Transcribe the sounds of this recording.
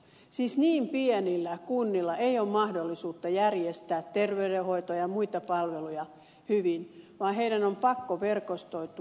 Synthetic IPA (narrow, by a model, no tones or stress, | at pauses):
siːsniːmpienilːækunːilːɑʔeioːmmɑhdolːisuːt̪ːɑjærjest̪æːt̪terʋeydeho̞it̪ojɑmuit̪ɑpɑlʋelujɑ | hyʋinʋɑːɦeidænompɑkːoʋe̞rkost̪oit̪u